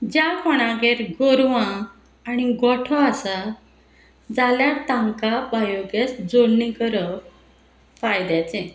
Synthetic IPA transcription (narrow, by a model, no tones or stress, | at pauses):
d͡ʑjakɔɽ̃ãɡeɾɡoɾʋãː | ñiɡɔʈʰɔasa | d͡zaljat̪ãŋkabajoɡesd͡zoɽnĩkəɾə | fajd̪jat͡sẽ